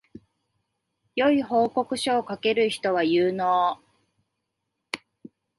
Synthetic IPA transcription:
jo̞iɦo̞ːko̞kɯ̟ɕoːkake̞ɾɯ̟çi̥t̪o̞β̞ajɯːnoː

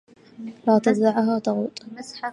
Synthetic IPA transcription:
laːt̪azaʕɦaːt̪ɑɣuːt̪ˤ

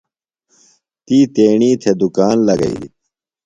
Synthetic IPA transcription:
t̪iːt̪eːɳiːt̪ʰed̪ukaːnlɐɡɐ̰ḭlḭt̪̚

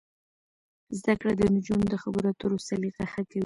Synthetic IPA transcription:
zd̪akɽad̪ənʊd͡ʒund̪əxabəɾat̪oɾosaliɣaxakawi

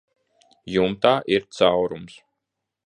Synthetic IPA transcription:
jumt̪aːʔiɾt̪sawɾums

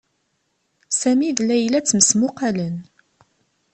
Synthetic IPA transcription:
sæmiðlæjlæt͡sːməsmʊqalən

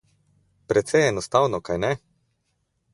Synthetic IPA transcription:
pɾɛt̪sɛjɛnɔst̪awnɔkajnɛ

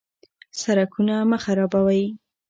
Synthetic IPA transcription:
saɾakunaməxaɾɑbawaj

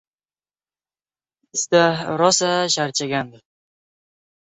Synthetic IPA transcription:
ɪst̪aɾɒsaʃaɾt͡ʃʰaɡʲand̪ɪ

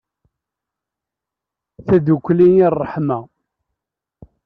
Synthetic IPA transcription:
θæðukʷːlinirˤːəħma

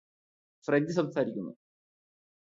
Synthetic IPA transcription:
freɲd̪is̬ɐmsaːɾikʲːunːṵ

